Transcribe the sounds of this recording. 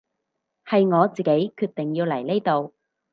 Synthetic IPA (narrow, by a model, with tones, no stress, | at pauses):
hɐ˨jŋɔː˨˧t͡siː˨ke˨˥jkʰyː˧t̚t̪ɪ˨ŋjiː˧wlɐ˨˩jle˥jt̪o˨˧w